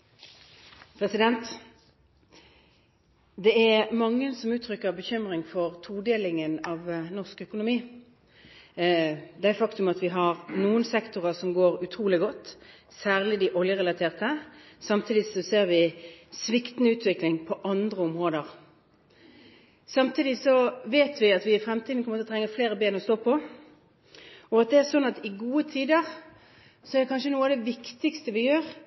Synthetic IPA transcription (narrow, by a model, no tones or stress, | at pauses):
pʰʁɛsɪd̪ɛnt̪ | d̪ɛæmɑŋːəsɔmʉːt̪ʰʁʏkːəʁbəçʏmʁɪŋfɔʁt̪ʰuːd̪eːlɪŋənɑʋnɔʁskœkʊnʊmiː | d̪ɛæɪfɑkt̪ʉmɑt̪ʋɪɦɑʁnuːənsɛkt̪ʊʁəsɔmɡoːʁʉt̪ʰʁuːlɪɡɔt̪ː | sæːʁlɪd̪ɪʔɔljəʁɛlɑt̪ʰeːʁt̪ə | sɑmt̪ʰiːd̪ɪsɔseːʁʋɪsʋɪkt̪nʉːt̪ʰʋɪklɪŋpʰɔʔɑnd̪ʁəɔmʁoːd̪əʁ | sɑmt̪ʰiːd̪ɪsɔʋeːt̪ʰʋɪɑt̪ʋɪɪfɾɛmt̪ʰid̪n̩kɔmət̪ːt̪ʰɾɛŋːəfleːʁəbeːnɔst̪oːpʰɔ | ɔɑt̪̚d̪ɛæʂɔnːɑt̪ɪɡuːət̪ʰiːd̪əʁ | sɔɛɾʁd̪ɛkʰɑnʂənuːɑd̪ɛʋɪkt̪ɪkst̪əʋɪjøːʁ